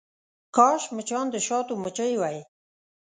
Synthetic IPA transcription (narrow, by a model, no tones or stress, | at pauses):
kɑʃmət͡ʃɑnd̪əʃɑt̪omət͡ʃəjwaj